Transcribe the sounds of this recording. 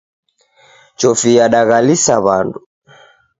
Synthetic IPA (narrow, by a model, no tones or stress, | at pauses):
t͡ʃɔfiaɗaɣalisaβandu